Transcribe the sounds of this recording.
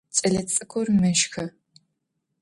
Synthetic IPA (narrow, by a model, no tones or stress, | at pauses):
t͡ʃʼɐɮɐt͡sʼɨkʷʰɔrmɐʃxɐ